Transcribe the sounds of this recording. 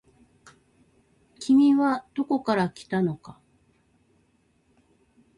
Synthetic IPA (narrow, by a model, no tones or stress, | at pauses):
kʲimʲiβad̪̥o̞ko̞kaɾakʲi̥t̪ano̞ka